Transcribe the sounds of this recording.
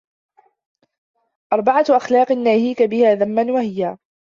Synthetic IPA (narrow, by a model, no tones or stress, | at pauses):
ʔɑɾˤbɑʕaʔaxlɑːqnːaːhiːkabɪhaːðamːanwahɪjaː